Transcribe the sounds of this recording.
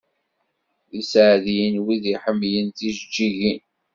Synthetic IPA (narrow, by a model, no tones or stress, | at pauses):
isʕðijənwiðiħəmːjənθiʒd͡ʒːiʝin